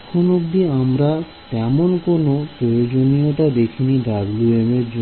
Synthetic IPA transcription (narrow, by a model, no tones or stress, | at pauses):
kʰːonobd̪iamɾa | t̪ɛmonkonopɾojod͡ʑonioʈad̪ekʰiniɖabluemeɾd͡ʑo